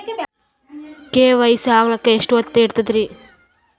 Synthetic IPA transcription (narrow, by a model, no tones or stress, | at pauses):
keːʋɐjsaːɡɐlɐkːeeʂʈɐt̪ːeːɽt̪ɐd̪ɾi